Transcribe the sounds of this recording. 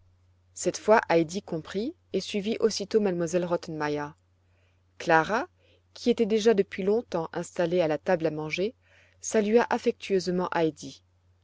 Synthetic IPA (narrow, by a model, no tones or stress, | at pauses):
sɛt̪fwaʔajd̪ikɔ̃pχi | esɥiviʔosit̪omad̪mwazɛlʁɔt̪ɛnmajə | klaʁa | kʲʰiet̪ɛd̪eʒad̪əpɥilɔ̃t̪ɑ̃ʔɛ̃st̪alealat̪ablamɑ̃ʒe | salyaʔafɛk̚t̪ʰɥøzmɑ̃ʔajd̪i